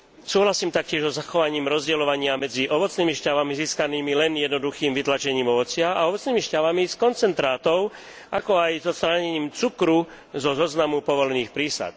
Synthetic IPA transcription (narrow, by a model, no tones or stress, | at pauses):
suːɦlasiːmt̪ak̚cɪɛʒzɔzaxɔʋaɲiːmɾɔzɟɛlɔʋaɲɪamɛd͡ziʔɔʋɔt͡sniːmiʃcaʋamiziːskaniːmilɛnjɛd̪nɔd̪uxiːmʋit̪lat͡ʃɛɲiːmɔʋɔt͡sɪaaɔʋɔt͡sniːmiʃcaʋamiskɔnt͡sɛnt̪ɾaːt̪ɔʊ | ʔakɔajzɔt̪st̪ɾaːɲɛɲiːmt͡sukɾu | zɔzɔznamupɔʋɔlɛniːxpɾiːsa̰t̪